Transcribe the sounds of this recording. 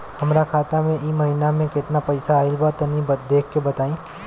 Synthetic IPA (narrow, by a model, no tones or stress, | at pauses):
hɐmɾakʰaːt̪amẽʔimɐɦinamẽkɪt̪napɛɪsaːɪlbat̪ɐnibɐd̪eːkʰːebɐt̪aːĩː